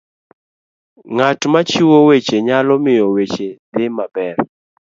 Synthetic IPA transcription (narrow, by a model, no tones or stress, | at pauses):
ŋatmat͡ʃiwowet͡ʃeɲalɔmɪjɔwet͡ʃed̪ɪmabɛr